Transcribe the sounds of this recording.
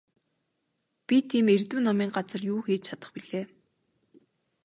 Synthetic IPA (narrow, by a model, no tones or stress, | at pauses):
pʲit̪ʰiːmert̪ŭːnɔmiːŋɢat͡sə̆rjuːxeːt͡ɕt͡ɕʰat̪ə̆χpiɮeː